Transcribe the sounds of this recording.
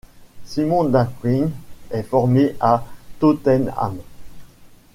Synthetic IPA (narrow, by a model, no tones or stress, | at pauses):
simɔ̃d̪akwinɛfɔʁmeʔat̪ot̪ɛna̰m